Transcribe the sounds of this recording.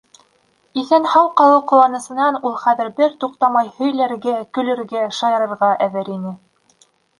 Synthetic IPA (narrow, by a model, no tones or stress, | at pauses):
iθænhɑwqɑlˠɤqŏw̪ˠɑnɤ̆sɤ̆nɑnulˠχæðɘ̆ɾbɘɾt̪uq̚t̪ɑmɑjhɵ̆jlæɾɡækɵ̆lɘ̆ɾɡæʃɑjɤ̆ɾɤ̆ɾʁɑʔæðɘɾinɘ